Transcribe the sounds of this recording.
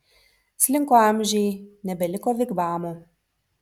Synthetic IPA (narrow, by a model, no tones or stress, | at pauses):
sʲlʲɪŋkoːɑˑmʲʒʲɛjnʲɛbʲɛlʲɪkoːʋʲɪɡbɑːmuː